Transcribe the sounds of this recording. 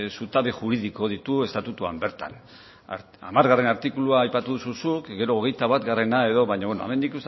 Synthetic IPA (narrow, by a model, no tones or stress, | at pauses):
sut̪aβeʝuɾiðiko̞ð̞it̪ue̞st̪at̪ut̪uambe̞ɾt̪a̰n | ɾ | a̰maɾɣare̞naɾt̪ikuluaːjpat̪uðususukɡe̞ɾo̞ːɣe̞jt̪aβ̞at̪ɡare̞nae̞ðo̞βaɲaβenoa̰me̞nd̪ikus